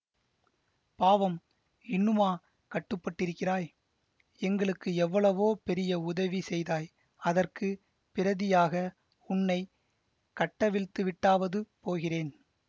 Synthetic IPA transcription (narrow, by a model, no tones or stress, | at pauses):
paːʋɐm | ɪnːɯmaː | kɐʈːɯpːɐʈːɪɾɯkːɪraːj | ɛŋɡɐɭɯkːɯɛʋːɐɭɐʋoːpɛɾɪjɐʊðɐʋisɛjðaːj | ɐðɐrkɯ | pɪɾɐðɪjaːɣɐ | ʊnːɐɪ | kɐʈːɐʋɪɭt̪ɯʋɪʈːaːʋɐðɯpoːɣɪreːn